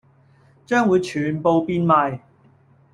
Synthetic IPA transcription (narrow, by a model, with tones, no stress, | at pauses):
t͡ʃœː˥ŋwuː˨˧jt͡ʃʰyː˨˩npo˨˧wpiː˥nmaː˨˧j